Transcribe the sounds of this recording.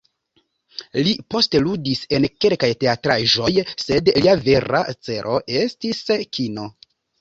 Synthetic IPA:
lipo̞ste̞ludise̞nke̞lkajte̞atɾaʒo̞jse̞dliave̞ɾa̰t͡se̞ɾo̞ʔe̞stiskʰino̞

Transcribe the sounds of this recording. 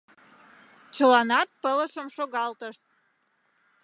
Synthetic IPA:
t͡ɕəlɑnɑt̪̚pələʃəmʃoɣɑlt̪əʃt̪̚

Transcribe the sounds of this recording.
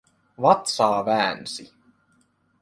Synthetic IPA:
ʋɑt̪sɑːʋæːnsi

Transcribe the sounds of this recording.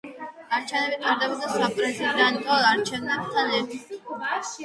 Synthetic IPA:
aɾt͡ʃʰɛvnɛbiaɾd̪abɔd̪asapʼɾɛsiɾanikʼalaɾt͡ʃʰɛvnapt̪ʰalɛɾt̪ʰi

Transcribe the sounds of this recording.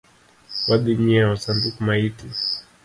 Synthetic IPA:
waɗiɲiawasambikumaiti

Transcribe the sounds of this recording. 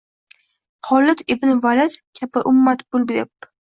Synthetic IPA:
χɒlːɪt̪ebnɪvalat̪kʲʰapɪʔʊmːat̪bolˠbd̪ɪp̚

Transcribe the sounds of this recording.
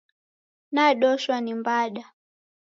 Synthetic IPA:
naɗɔʃwanimbaɗa

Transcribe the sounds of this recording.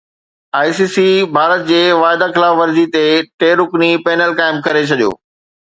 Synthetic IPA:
aːjsiːsibʱaːɾət̪̚d͡ʑeːʋaːɪd̪axɪlaːfʋɐɾzit̪eʈeːɾʊknipeːnəlkaːɪmkɐɾet͡ɕʰɐɗijo̰ː

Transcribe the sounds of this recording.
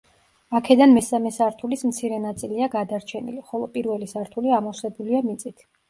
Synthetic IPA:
akʰɛd̪anmɛsamɛsaɾt̪ʰulismt̪sʰiɾɛnat̪sʼiliaɡad̪aɾt͡ʃʰɛnḭliχɔlˠɔpʼiɾvɛlisaɾt̪ʰuliamɔsɛbuliamit̪sʼit̪ʰ

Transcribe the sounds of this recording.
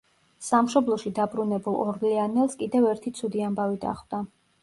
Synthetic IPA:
samʃɔblˠɔʃid̪abɾunɛbulˠɔɾlianɛlˠskʼid̪ɛvɛɾt̪ʰit̪sʰud̪iambavid̪a̰χwd̪a

